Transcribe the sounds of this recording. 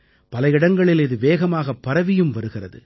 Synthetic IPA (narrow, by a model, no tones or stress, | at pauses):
pɐlɐjɪɽɐŋɡɐɭɪlɪðɯʋeːɣɐmaːɣɐpːɐɾɐʋɪjɯmʋɐɾɯɣɪrɐ̰ðɯ̰